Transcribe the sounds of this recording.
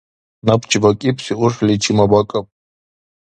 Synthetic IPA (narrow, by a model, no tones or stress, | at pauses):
napʰt͡ʃʰʼivakʼipʰsiuʂlit͡ʃʰimabakʼɐpʼ